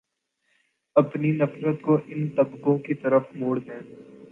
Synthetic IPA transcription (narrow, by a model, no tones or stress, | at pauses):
ɐpninɐfɾət̪koʔɪnt̪ɐbkõkit̪ɐɾəfmoːɽd̪ẽː